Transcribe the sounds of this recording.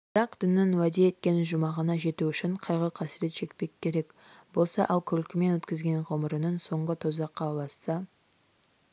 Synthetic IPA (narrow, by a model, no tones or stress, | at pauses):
bb̥əɾɑqd̪̥ɪnːɪŋwæd̪e̞et̪̚kʲe̞nʒʊmɑʁənɑʒe̞t̪uʏʃɪɴqʰɑjʁəqʰɑsɪɾe̞t̪ʒ̥e̞kpe̞kʲʰːe̞ɾe̞k | bo̞lˠsɑʔɑlˠkʲʰʏlkʲɪme̞nwɵt̪kʲɪzɡʲe̞nʁoməɾənənso̞ɴʁət̪ʰozɑqʰːɑlˠɑst̪ɑ